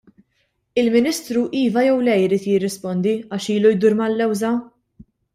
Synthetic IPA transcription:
ɪlmɪnɪst̪ɾuʔiːvɐjɛwlɛjɪɾiːt̪jɪrːɪspɔnd̪iɐːʃiːlujd̪uːɾmɐlːɛwzɐ

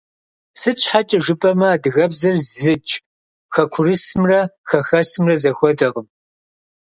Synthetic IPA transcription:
sɨt͡ʃʰʼħat͡ʃʼɐʒɨpʼɐmɐaːdɨɣɐbzɐrzɨt͡ʃʼ | xɐkʷʰʊrɨsɨmrɐxɐxɐsɨmrɐzɐxʷɔdɐʁəm

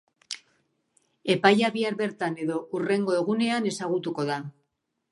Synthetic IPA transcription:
e̞pajaβiaɾβe̞ɾt̪ane̞ðo̞ure̞ŋɡo̞e̞ɣune̞ane̞saɣ̞ut̪uko̞ða

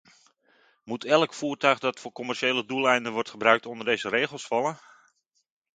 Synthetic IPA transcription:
mutʰɛlˠəkfuːrtœɥχdɑtfʊːɹkɔmɛɹʃeːlədulˠɛjndənʋɔɹtχəbrœɥk̚tɔndərdejzəreːχəlˠsfɑlˠən

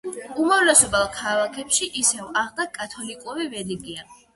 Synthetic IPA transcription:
umavlɛsɔbalˠkʰalˠakʰɛpʃiʔisɛvaʁd̪akʼat̪ʰɔlikʼuɾivɛliɡia

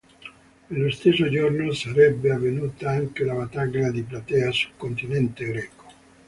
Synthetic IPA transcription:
elːost̪esod͡ʒornosaɾɛbːeavːenuːt̪aaŋk̟elavat̪aɡlad̪iplat̪ɛːasu̥lkːont̪inɛnt̪eɡɾɛːko̥

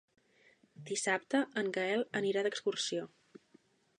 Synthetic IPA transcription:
d̪isap̚t̪əəŋɡəɛlˠəniɾad̪əkskursio

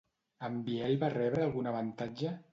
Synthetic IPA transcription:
əmbiɛlβarɛβɾəːlˠɣunəβənt̪ad͡ʒə

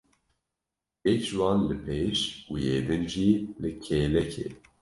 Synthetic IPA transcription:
jɛkʒwɑːnlɨpʰeʃujeːd̪ɨnʒilɨkʰelɛkʰḛ

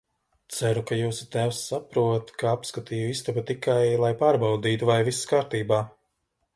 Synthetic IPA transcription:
t̪sæɾukajuːsu̥t̪æwsːapɾuːt̪kaapskat̪iːjuist̪ubut̪ikajlˠajpaːɾbawd̪iːt̪uvajviskaːɾt̪iːbaː

